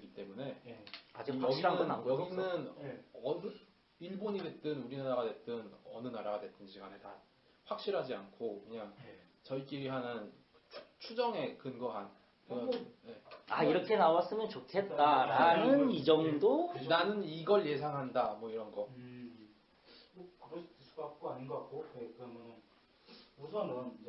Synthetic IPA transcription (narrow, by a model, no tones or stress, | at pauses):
iɡit͈e̞mune̞ad͡ʑiwaʌɡɕianɯɯnaɡʌɡinɯnʌn | iɭboɲide̞t͈ɯnuɾinaɾaɡadwe̞t͈ɯnʌnɯnaɾaɡadwe̞t͈ɯnɕʰiɡanet͈a | ɸwak̚ɕ͈iɾɦad͡ʑiankʰokɯɲaŋt͡ɕʌik͈iiɦanɯnʰ | t͡ɕʰud͡ʑʌŋe̞kɯnɡʌɦan | kɯʌje̞aiɾʌkʰe̞nawas͈ɯmjʌnt͡ɕotʰe̞t̚t͈aɾanɯnid͡ʑʌŋdonanɯniɡʌɭje̞sʰaŋɦandamwʌiɾʌnɡʌ | okɯɾʌsʰi̥tɯs͈ubap̚k͈oaɲinɡʌak̚k͈okekʌmʌnɯn | musʰʌmʌn